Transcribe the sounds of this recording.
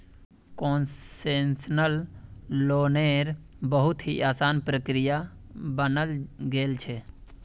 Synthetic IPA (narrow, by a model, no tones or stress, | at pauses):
konsensnəlː | oneɾ | bəɦut̪ɦiʔaːsaːnpɾəkɾija | bənəlɡeːlt͡ʃʰɛ